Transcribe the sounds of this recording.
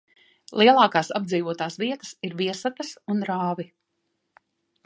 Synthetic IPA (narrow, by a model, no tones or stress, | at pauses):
lˠʔiɛlˠɑːkaːsab̚d̪ziːvuɔt̪aːsviɛt̪ə̥siɾviɛsat̪ɐsunɾaːvi